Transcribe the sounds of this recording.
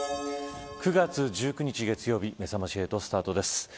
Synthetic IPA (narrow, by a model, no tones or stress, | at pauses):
kɯ̟ɡat͡sɨʑɨːkɯ̟ɲ̟it͡ɕiɡe̞t͡sɨjo̞ːbʲime̞samaɕie̞t̪o̞sɨ̥t̪aːt̪o̞d̪e̞sɨ̥